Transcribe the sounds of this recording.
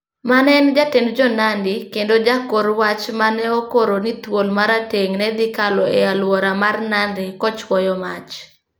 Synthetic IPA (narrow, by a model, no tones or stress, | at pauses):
manɛnd͡ʒatendd͡ʒɔnandɪkendod͡ʒakoɾwat͡ʃmanɛokoɾonit̪wolmaɾateŋnɛd̪ɪkalɔealwɔɾamarnanɾɪkɔt͡ʃwɔjɔmat͡ʃ